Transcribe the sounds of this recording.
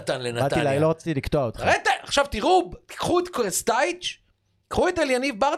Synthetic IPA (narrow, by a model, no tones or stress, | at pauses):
t̪anlenaalilaloʁat͡si̥t̪ilikt̪oaot̪aʁet̪aʔaχʃavt̪iʁubt̪i̥kχuet̪kʁest̪ajt͡ʃ | ikχuet̪eljanivbaʁ